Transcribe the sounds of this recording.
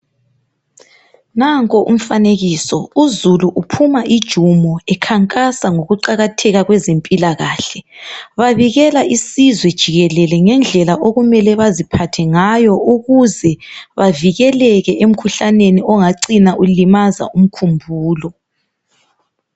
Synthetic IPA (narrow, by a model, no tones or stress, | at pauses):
naŋkʼɔʔṵm̩faneɣisɔuzuluʔupʰumaʔid̥ʒ̥ʱumɔɛkʰaŋkʼasaŋoɣuǀaɣatʰɛɣaɣwɛzempʼilaɣaːɬɛβaβiɣɛlaʔisizwɛd̥ʒ̥ʱiɣɛlɛlɛŋɛnd͡ɮʱɛlaʔoɣumɛlɛβazipʰatʰɛŋajɔuɣuzɛβaviɣɛlɛɣɛʔem̩kʰuɬaneniɔŋaǀinaʔulimaza̰um̩kʰumbʱuːlɔ